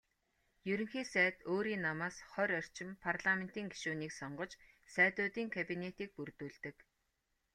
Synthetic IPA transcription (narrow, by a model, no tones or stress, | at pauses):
jɵɾɵ̆ŋxiːsæːt̪oːɾiːnːamaːsχœɾœr̥t͡ɕɪ̆mpʰarɮamen̥t̪iːŋɡiʃuːniːksɔɴɢɞ̆t͡ɕ | sæːt̪ʊːt̪iːŋkʰapinet̪iːk̚purt̪uːɮt̪ɘ̆k